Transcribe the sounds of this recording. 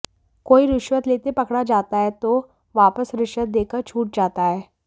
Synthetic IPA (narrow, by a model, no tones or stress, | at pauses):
koːiɾɪʃʋət̪leːt̪epɐkɽad͡ʒaːt̪aɦɛt̪o | ʋaːpəsɾɪʃət̪̚d̪eːkəɾt͡ʃʰuːʈ̚d͡ʒaːt̪aɦɛː